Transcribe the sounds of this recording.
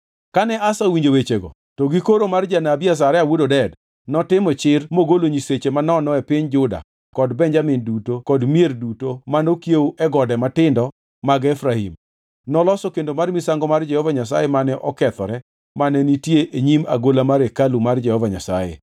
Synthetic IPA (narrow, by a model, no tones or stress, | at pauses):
kanɛʔasawiɲd͡ʒowet͡ʃeɡɔ̰ | tɔɡikoɾomard͡ʒanabias̬aɾɛawudodɛd | nɔtɪmɔt͡ʃɪrmoɡoloɲiset͡ʃemanɔnɔɛpɪɲd͡ʒʊda̰ | kɔdbɛɲd͡ʒamɪndutokɔdmjerdutomanokjewʔɛɡɔdɛmatɪndɔ | maɡɛfɾahḭm | nɔlɔsɔkendomarmisaŋɡɔmard͡ʒɛhɔvaɲas̬a̰jɛmanɛʔɔkɛt̪ɔɾɛ | manɛnitjeʔeɲima̰ɡolamaɾekalumard͡ʒɛhɔvaɲa̰sa̰jḛ